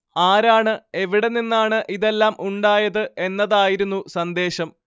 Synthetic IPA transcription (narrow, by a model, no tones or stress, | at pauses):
aːɾaːɳɨe̞ʋiɽeninːaːɳɨʔiðe̞lːaːmuɳɖaːjɐðɨʔe̞nːɐðaːjiɾunːusɐnd̪e̞ːɕɐm